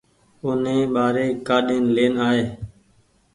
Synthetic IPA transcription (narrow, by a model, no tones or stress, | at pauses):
ʊnẽːɓaːɾeːkaːɗeːnleːnaːɦeː